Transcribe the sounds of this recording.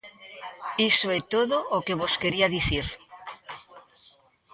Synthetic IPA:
isoet̪oðoʔokeβoskeɾiaðiθiɾ

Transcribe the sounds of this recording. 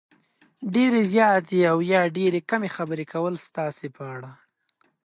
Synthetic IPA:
ɖeɾezjɑt̪eawjɑɖeɾekamexabəɾekʰawəlst̪ɑsepəaɽa

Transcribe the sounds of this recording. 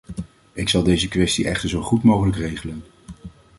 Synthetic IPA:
ɪksɑlˠdejzəkʋɛstiʔɛχtəɹzowχutmowχələkrejχələn

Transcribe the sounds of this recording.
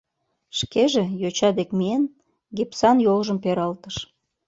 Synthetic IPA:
ʃkeʒejot͡ɕɑd̪ekmien | ɡepsɑnjolʒəmpeɾɑlt̪əʃ

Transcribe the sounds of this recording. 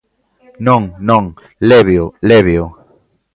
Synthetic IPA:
nɔ̃ŋnɔ̃ŋ | leβjoleβjo

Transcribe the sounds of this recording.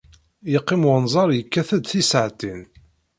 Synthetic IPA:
jəqːɪmʊnzˤɑɾˤjəkːæθæd̪θisəʕt̪in

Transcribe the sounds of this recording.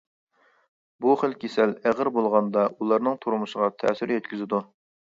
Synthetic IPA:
buχəlkʲʰesælæʁəɾbolˠʁɑnd̪ɑulˠɑɾnɨŋt̪ʰuɾmuʃəʁɑt̪ʰɛ̰syɾjɛt̪̚kʲyzɪd̪u

